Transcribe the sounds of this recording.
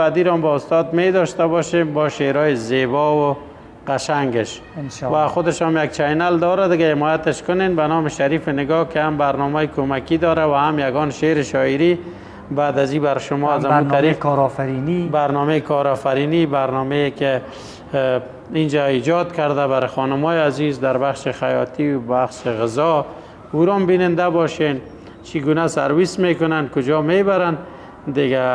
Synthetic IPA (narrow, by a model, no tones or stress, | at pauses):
ad̪iɾɔmbaʊst̪ɔd̪med̪ɔʃt̪abɔʃembɔʃeɾɔjɪzebɔwʊ | qaʃaŋɡɪʃ | waxʊd̪ɪʃɔmjaɡt͡ʃʰajnald̪ɔɾad̪ɪɡahɪmɔjat̪ɪʃkʊnenbanɔmɪʃaɾifɪnɪɡɔkɪhambaɾnɔmɔjɪkʰomakid̪ɔɾawahamjaɡɔnʃeɾɪʃɔɪɾi | bad̪azibaɾʃʊmɔazanaɾifɾɔfaɾinibaɾnɔmekʰɔɾɔfaɾinibaɾnɔmekɪ | ind͡ʒaid͡ʒɔd̪kaɾd̪aβaɾɪxɔnʊmɔjeazizd̪aɾbaχʃɪxajɔ̰t̪iwbaxʃɪɣɪzɔ | uɾɔmbinɪnd̪abɔʃen | t͡ʃʰiɡunasa̰ɾwismekʊnankʊd͡ʒɔmebaɾan | d̪ɪɡa